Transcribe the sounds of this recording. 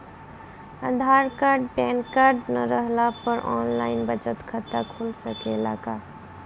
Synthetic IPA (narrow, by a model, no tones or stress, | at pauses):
ad̪ʱaːɾkaːɾɖpɛːnkaːɾɖnəɾəɦlapəɾʔɔːnlaːɪnbət͡ʃət̪kʰət̪akʰuːlsəkeɪla̰ːka